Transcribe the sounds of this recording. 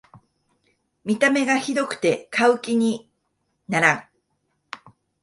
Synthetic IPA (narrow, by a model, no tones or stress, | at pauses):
mʲit̪ame̞ɡaçid̪o̞kɯ̟̥t̪e̞kaɯ̟kʲiɲ̟i | naɾã